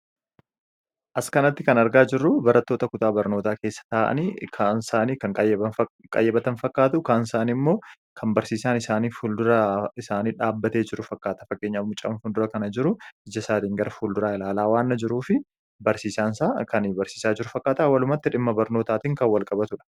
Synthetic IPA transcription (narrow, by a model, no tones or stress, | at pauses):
ʔɐskɐnɐt̪ːɪkɐnɐɾɡaːd͡ʒɪrːʊbɐɾɐt̪ːo̞ːt̪ɐkʊt̪aːbɐɾno̞ːt̪aːke̞ːsːɐ̥t̪aːʔɐ̰niːkʰansaːniːkɐŋkʼɐjkʼɐ̰jɛbɐt̪ɐnfɐkʼːaːt̪ʊkaːnsaːnimːoː | kʰɐmbɐɾsiːsaːnɪsaːniːfuld̪ʊɾɐɪsaːniːᶑaːbːɐt̪e̞ːd͡ʒɪɾʊfɐkːaːt̪ɐfɐkʼːeːɲːamʊt͡ʃʼɐ̰nfʊnd̪ʊɾɐkɐnɐd͡ʒɪɾʊɪd͡ʒɐsaːt̪iːŋɡɐɾʔɐfuːld̪ʊɾaːɪlaːlaːwaːnːɐd͡ʒɪɾuːfɪ | bɐɾsiːsaːnsaːkɐnbɐɾsiːsaːd͡ʒɪɾʊfɐkʼːaːt̪awɐlʊmɐt̪ːɪᶑɪmːɐbɐɾno̞ːt̪aːt̪iːŋkɐnwɐlkʼɐbɐt̪ʊᶑɐ̥